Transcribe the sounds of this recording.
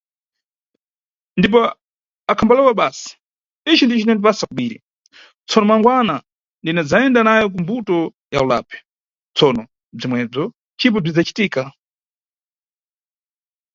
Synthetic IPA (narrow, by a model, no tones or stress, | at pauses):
ndip̬ɔ | akʰambalɛwaɓaːsi̥ | it͡ʃindit͡ʃinɛnipasakuɓiːɾḭ | t͡sʰɔnɔmwaŋɡwana | ndinɛd͡zaɛndanajɔk̬umbutɔ | ja̰ula̰pʰɛ̥ | t͡sʰɔnɔ | b͡ʐimwɛb͡ʐɔ | t͡ʃip̬ɔb͡ʐid͡zat͡ʃi̥tiːka